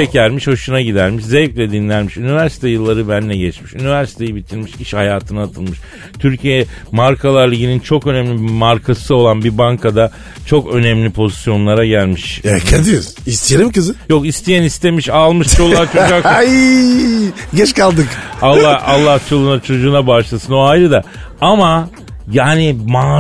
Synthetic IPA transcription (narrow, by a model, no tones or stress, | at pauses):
ɛcælʲmiʃhoʃunaɟid̪æɾmiʃzɛvclʲɛd̪inlʲæɾmiʃynivæɾsi̥t̪ʰɛjɯlˠːaɾɯbænlːʲɛɟɛt͡ʃmiʃynivæɾsi̥t̪ʰe̞jibit̪ʰiɾʲmiʃiʃhajaːt̪ʰɯnaat̪ʰɯlˠmɯʃ | t̪ʰyɾcʰijɛ | maɾkʰalˠaɾlʲˠiɟinint͡ʃʰo̞kø̞nɛmlʲibmaɾkʰasɯo̞lˠanbibaŋkʰad̪a | t͡ʃʰo̞kø̞nɛmlʲipʰo̞zisjo̞nlˠaɾaɟælʲmiʃɛɛd̪ijos | ist̪ʰijelimkɯzɪjo̞kist̪ʰijænist̪ʰe̞miʃalˠmɯʃt͡ʃʰolˠːaɾt͡ʃʰoaki | ɟɛt͡ʃkalˠd̪ɯkalˠːahalˠːaht͡ʃʰolˠunat͡ʃʰo̞d͡ʒuːnabaʃlˠasɯno̞ajɾɯd̪a | ama | jaːnima